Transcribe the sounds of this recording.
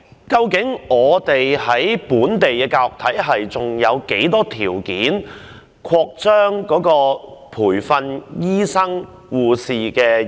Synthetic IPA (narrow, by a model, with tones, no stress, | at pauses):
kɐ˧wkɪ˨˥ŋɔː˨˧t̪e˨jhɐ˨˥jpuː˨˥nt̪e˨jkɛː˧kaː˧ʊ˨k̚t̪ʰɐ˨˥jɦɐ˨jt͡sʊ˨ŋjɐ˨˧wke˨˥jt̪ɔː˥t̪ʰiː˨˩wkiː˨˥n | kʰɔː˧k̚t͡ʃœː˥ŋkɔː˨˥kɔː˧pʰuː˨˩jfɐ˧njiː˥sɐ˥ŋ | wuː˨siː˨kɛː˧